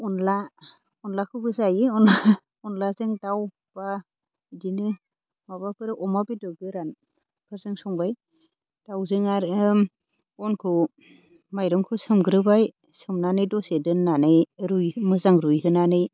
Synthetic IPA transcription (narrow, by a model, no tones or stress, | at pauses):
ɔnla | ɔnlakʰɯbɯzajɯɔna | ɔnlazɯŋdaw | b̥a | dinɯ | mabapʰɯɾɯʔɔmabidɯɡɯɾan | kʰɯɾzɯŋsɔŋbaj | d̥awzɯŋaɾm | ɔnkʰɯ | majɾɔŋkʰɯsɯmɡɯɾɯbaj | sɯmnanɯjdɔsedɯnːanɯjɾujmɯzaŋɾujɦɯnanɯj